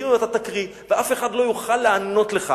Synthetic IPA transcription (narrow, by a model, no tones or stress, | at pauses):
at̪at̪akʁi | veʔafe̞χad̪lo̞juχalːeano̞t̪le̞χa̰